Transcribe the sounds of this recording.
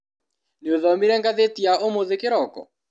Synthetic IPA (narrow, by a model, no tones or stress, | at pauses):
nioðɔmiɾɛŋɡaðetiaʔomoðɪkɪɾɔkɔ̰